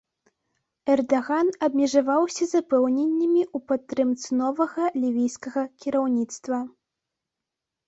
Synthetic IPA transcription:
ɛrd̪aɣanɐbmʲɛʐavawsʲɐzɐpɛwnʲɛnʲːɐmʲiupɐt̪ːɾɨmt̪sɨnɔvɐɣɐlʲivʲijskɐɣɐkʲiɾawnʲit̪st̪vɐ

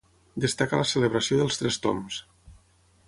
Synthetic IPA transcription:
d̪əst̪akəlasəleβɾəsioðəlˠst̪ɾɛst̪o̰ms

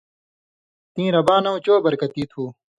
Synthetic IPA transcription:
t̪ĩːɾɐbaːnɐũt͡ɕoːbɐɾkɐt̪iːt̪ʰuː

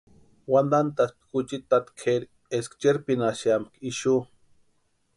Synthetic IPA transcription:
wand̪ant̪aspkut͡ʃit̪at̪kʰeɾ | eskt͡ʃeɾpinaʃjamkiʃu

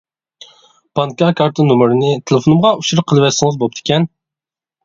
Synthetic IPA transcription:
pʰɑŋkɑkʰɑɾt̪ʰɨnumɨɾɪnɪt̪ʰelˠɪfonumʁɑuʃuɾɨqʰəlˠɨvɛt̪sɪŋɨzbop̚t̪ʰɪ̥kʲɛn

